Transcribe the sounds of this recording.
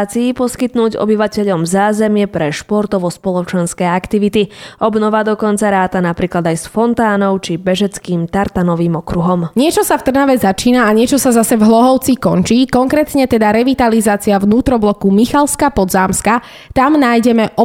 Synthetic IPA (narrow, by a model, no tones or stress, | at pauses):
t͡siːpɔskit̪nuːɟɔ̰biʋacɛʎɔmzaːzɛmɪɛpɾɛʃpɔɾt̪ɔʋɔspɔlɔt͡ʃɛnskɛːakt̪iʋit̪iʔɔbnɔʋad̪ɔkɔnt͡saɾaːt̪anapɾiːklad̪ajsfɔnt̪aːnɔʊt͡ʃibɛʒɛt͡skiːmt̪aɾt̪anɔʋiːmɔkɾuɦɔmɲɪɛt͡ʃɔsaft̪r̩naʋɛzat͡ʃiːnaːɲɪɛt͡ʃɔsazasɛvɦlɔɦɔʊt͡sikɔnt͡ʃiːkɔŋkɾɛːt̪ɲɛt̪ɛd̪aɾɛʋit̪alizaːt͡siavnuːt̪ɾɔblɔkumixalskapɔd̪zaːmska | t̪amnaːjɟɛmɛʔɔ